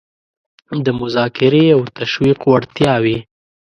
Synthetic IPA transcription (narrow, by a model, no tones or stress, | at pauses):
hamd̪əmʊzɑkɪɾeawt̪aʃwiqwaɽt̪jɑwi